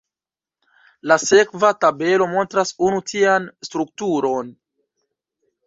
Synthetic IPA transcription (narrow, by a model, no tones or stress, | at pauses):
lase̞kvatabe̞lo̞mo̞ntɾasunutianstɾuk̚tuɾo̞n